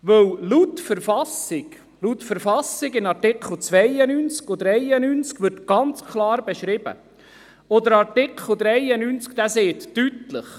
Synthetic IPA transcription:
ʋɵwlutfəɾfɑsɪɡ | lutfəɾfɑsɪɡɪnɑɾtɪkχl̩t͡sʋɛjənynt͡skod̪ɾɛjənynt͡skʋɪrtɡ̥ɑnt͡skʰlɑːɾbɛʃɾɪb̥ə̰ | od̪əɾɑɾtɪkχl̩d̪ɾɛɪənynt͡skd̪æseːt̪ːytləχ

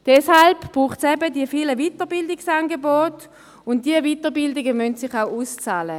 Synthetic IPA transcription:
d̥ɛshalbb̥ʁuːχtsɛbədiəfiːləvitəʁbɪldɪksanɡebɔːt | ʊnt̚d̥iəvitəʁbɪldɪɡəmœntsɪχaʊʔuːst͡saːlə

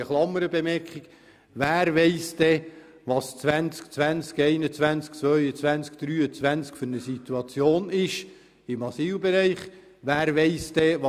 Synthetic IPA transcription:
əχlɑmːəɾəbemɛɾkχik | væːɾʋɛɪsd̥ɛ | ʋɑst͡svænt͡skt͡sʋænt͡skeɪnət͡svænt͡sk̚t͡svœʏət͡svænt͡sk̚d̥ɾyːət͡svænt͡skfʏɾnəsit̪uɑt͡sjoːnɪʃ | ɪmɑsiːlbeɾɛɪχ | ʋæːɾʋɛɪsd̥ɛʋ

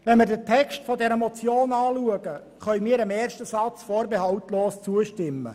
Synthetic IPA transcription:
ʋɛnmɪrdətʰɛkʃtfɔdɛɾəmɔt͡sjoːnɑːluəɡə | χœɥmiːəɾəmeːrʃtəsɑt͡sfoːɾbeɦɑwtloːst͡suəʃtɪmːə̰

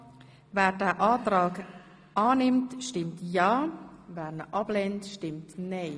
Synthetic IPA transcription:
vɛːɾdɛːʔaːtɾaːk | ʔaːnɪmtʃtɪmtjaːvɛːɾnəʔɑblɛntʃtɪmtneː

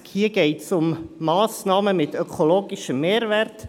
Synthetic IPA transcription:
hiəɡɛɪtsʊmːɑːsnɑːməmɪtœkʰoloːɡɪʃəmːeːɾvɛɾt

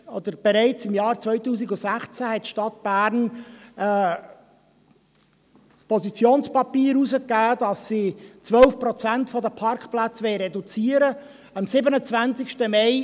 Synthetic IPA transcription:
ɔd̪əɾb̥ɛɾɛɪt͡sɪmjɑːɾt͡svœʏtuːsɪɡʊsæχt͡sæhɛt̚ʃtɑt̚b̥æːɾnː | spʰɔsit͡sjoːnspɑpiːɾuzəkːæːd̥ɑsːit͡sʋœlfpɾɔt͡sæntfɔdəpʰɑɾkplat͡sʋɛɪɾɛdut͡siːəɾə | ɑmsɪbənət͡svænt͡sɪkʃtəmɛɪ

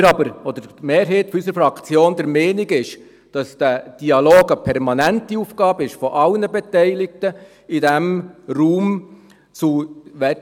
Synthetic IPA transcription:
ɾɑbəɾɔd̪əɾmeːɾɦeːt̪fɔysəɾfɾɑkt͡sjoːndəɾmɛːnɪɡɪʃ | d̥ɑsd̥æd̥iɑloːɡəpʰɛɾmɑnæntiuːfɡ̥ɑːbəɪʃfɔʔɑlnəbɛtɛɪlɪk̚tə | ɪdɛmruːm | t͡suʋɛ

